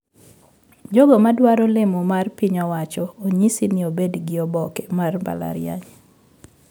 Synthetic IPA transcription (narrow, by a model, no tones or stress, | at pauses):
d͡ʒoɡɔmadwaɾɔlɪmɔmarpiɲɔwat͡ʃɔːɲisinɪobedɡɪɔbɔkemarmba̰la̰ɾja̰ɲ